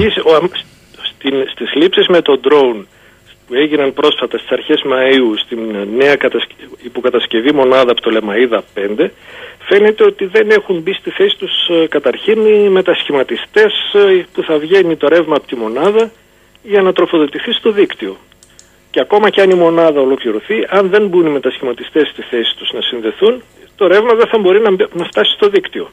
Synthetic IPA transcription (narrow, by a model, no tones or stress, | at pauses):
is | st̪inst̪izlipsizme̞t̪o̞d̪ɾo̞un | pue̞ʝinɐnpɾo̞sfɐt̪ɐst̪i̥sɐɾçe̞zmɐiust̪innːe̞ɐkɐt̪ɐsipo̞kɐt̪ɐsce̞vimo̞nɐðɐːpot̪o̞lemɐiðɐpe̞nd̪e̞fe̞ne̞t̪e̞o̞t̪iðe̞ne̞xumbist̪iθe̞si̥t̪uskɐt̪ɐɾçinime̞t̪ɐsçimɐt̪ist̪e̞spuθɐvʝe̞nit̪o̞ɾe̞vmɐːpot̪imo̞nɐðɐ | ʝɐnɐt̪ɾo̞fo̞ðo̞t̪iθist̪o̞ðikt̪io̞ | ceɐko̞mɐceɐnimo̞nɐðɐolo̞kliɾo̞θiʔɐnðe̞nbunime̞t̪ɐsçimɐt̪ist̪e̞st̪iθe̞si̥t̪uznɐsinðe̞θun | t̪o̞ɾe̞vmɐðeθɐbo̞ɾinɐnɐft̪ɐsi̥st̪o̞ðikt̪io̞